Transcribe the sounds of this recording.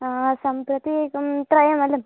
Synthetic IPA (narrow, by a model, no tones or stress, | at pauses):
sɐmpɾɐt̪it̪ɾɐjɐmɐlɐm